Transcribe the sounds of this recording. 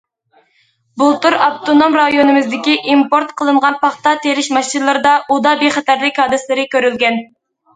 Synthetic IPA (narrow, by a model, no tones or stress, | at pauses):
bulˠt̪uɾɑbt̪ʰonomɾɑjonɨmɪzd̪ɪkʲiʔimpoɾt̪qʰəlˠɨɴʁɑnpɑχt̪ɑt̪ʰeɾɪʃmɑʃt͡ʃinlˠɨɾɨd̪ɑʔud̪ɑbeχɛt̪ʰæɾlɪkʲhɑːd̪ɨslɪɾɪkʲøɾylɡʲɛn